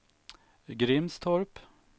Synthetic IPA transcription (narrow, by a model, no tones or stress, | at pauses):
ɡɾɪmst̪ʰɔɾp